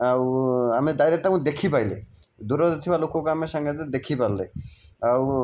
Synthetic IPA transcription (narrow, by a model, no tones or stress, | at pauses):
awamed̪ajɾeʈ̚ʈamũd̪ekʰipajlḛ | d̪uɾɔd̪et̪ʰibalokokamesaŋɡed̪d̪ekʰipaleaw